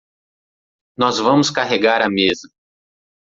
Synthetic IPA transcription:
nɔzvɐ̃mʊskaɦeɡaɾɐmezɐ

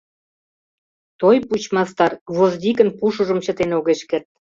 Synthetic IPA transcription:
t̪ojput͡ɕmɑst̪ɑrvozd̪ʲikənpuʃuʒə̆mt͡ɕə̆t̪enoɣeʃkert̪̚

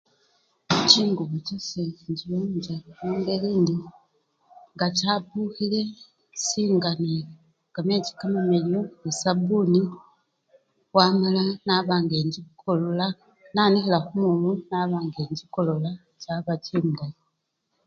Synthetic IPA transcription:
t͡ʃiːŋɡuβut͡ʃoseiɲɟiβoɲd͡ʒeuŋɡeliːndi | ŋɡat͡ʃapuxile̞ | siːŋɡane | kamet͡ʃi̥kamamelomusabuni | wamalanaβaːŋɡeːɲɟikolola | nanixilaxumulunaβaːŋɡeːɲɟikolola | caβatiːmda

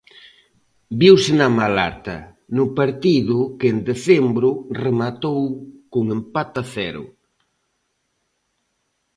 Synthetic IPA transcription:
biwsɪnɐmala̰ɾt̪ɐ̰ | nʊpaɾt̪iðʊkend̪eθembɾʊremat̪owkʊŋempat̪aθɛɾʊ̰

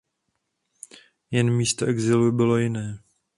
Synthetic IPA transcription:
jɛnmiːst̪oʔɛɡzɪlubɪlo̞jɪnɛː

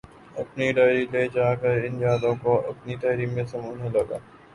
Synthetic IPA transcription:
ɐpniɖaːɾileːd͡ʒaːkəɾɪnjaːd̪õkoɐ̰pnit̪ɐːɾimːẽsɐmuːnelɐɡa̰ː

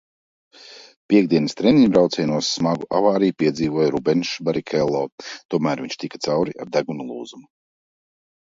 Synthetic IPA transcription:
pʲiɛɡ̚d̪iɛnəst̪ɾɛniɲbɾawt̪sɛjnuɔsːmaɡuʔa̰vaːɾijupiɛd̪ziːvuɔjɾubɛnʃbaɾikʰɛlˠːɔːt̪uɔmæːɾviɲʃt̪ikḁt̪sawɾia̰ɾd̪æɡunulˠuːzumu

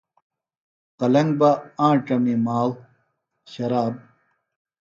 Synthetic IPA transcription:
qɐlɐŋɡ̚baãːʈɐmimaːl | ɕɐɾaːb̚

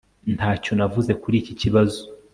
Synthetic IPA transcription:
ntʰaːco̞navuze̞kuɾiːciciβazo

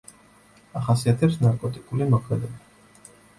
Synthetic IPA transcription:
aχasiat̪ʰɛpsnaɾkʼɔt̪ʼikʼulimɔkʰmɛd̪ɛba

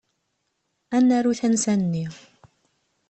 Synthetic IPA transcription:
ʔanːaɾuθansanːiː

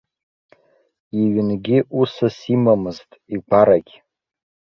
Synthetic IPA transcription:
iɥɪnɡʲɪʔusasimamɨztʼiɡʷaɾaɡʲ

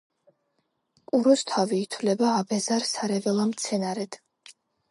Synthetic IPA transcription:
kʼuɾɔst̪ʰaviːt̪ʰwlɛbaːbɛzaɾsaɾɛvɛlˠamt̪sʰɛnaɾɛd̪̥

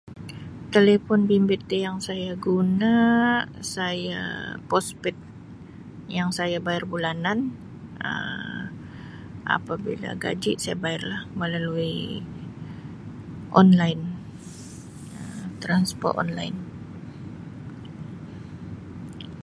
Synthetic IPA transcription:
t̪elefɔnbimbet̪ːejaŋsajaɡuna | saja̰pɔspɪt̪̚ | jaŋsajabajɪrbulanan | ə̰ | ʔa̰pabḭla̰ɡa̰d͡ʒiʔsajabaɪrlahməlalui | ʔɔnlajn | ət̪ɾanspɔ̰rt̪ɔ̰nla̰jn

